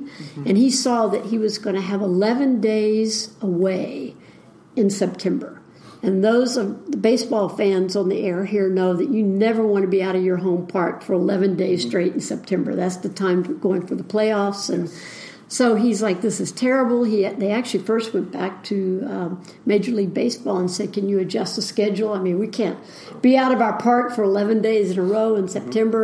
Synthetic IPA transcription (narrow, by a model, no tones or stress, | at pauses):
ɨ̃nisɔðɨt̚hiwʌzɡʌñɨːvəlɛvɨ̃ndeɪzəweɪ | ɨ̃nsɛp̚tʰɛ̃mbə̰˞ | ɨ̃nðoʊzʌvðəbeɪsb̥ɔlˠfæ̃nzn̩ðiʔɛɹɦiɹnoʊðɨt͡ʃɨnɛvə˞wɑ̃ñɨbiaʊɾʌvjə˞ɦõʊ̃mpʰɑɹtfə˞əlɛvɨ̃ndeɪz̥stɹ̥eɪɾn̩sɛp̚tʰɛ̃mbə̰˞ðætsðɨtʰãɪ̃ɱɡ̥oʊɪ̃ŋfə˞ðəpʰl̥eɪɔfsɨ̃n | soʊizlaɪk̚ðɪsɨz̥tʰɛɹɨbl̩ˠiðeɪæk̚t͡ʃʉl̩ˠifɜ˞st̚wɛ̃nb̥æk̚tʰɨʌ | meɪd͡ʒə˞liɡ̚beɪsb̥ɔlˠə̃nsɛd̚kɨ̃njɨɨd͡ʒʌstəskɛd͡ʒl̩ˠaɪmĩnwikʰæ̃n | b̥iaʊɾʌvaʊə˞pʰɑɹkfə˞əlɛvɨ̃ndeɪzɨ̃nəɹoʊə̃nsɛp̚tʰɛ̃mbə˞